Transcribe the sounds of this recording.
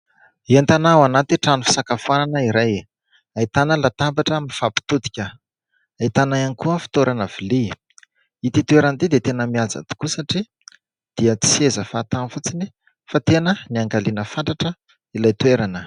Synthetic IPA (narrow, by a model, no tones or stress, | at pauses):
iant̪anawanat̪iʈ͡ʂanufi̥sakafananəiɾaj | ait̪anəlat̪ambaʈ͡ʂəamiifapi̥t̪ud̪i̥kʲə | ait̪anajanikuəfi̥t̪oɾanav̥ili | it̪it̪uweɾant̪id̪et̪enəmiaza̰t̪i̥kusaʈ͡ʂi | d̪̥iət͡si̥sezəfaːt̪afut͡sini | fat̪enəniaŋɡalinəfant̪aʈ͡ʂə | ilajt̪weɾanə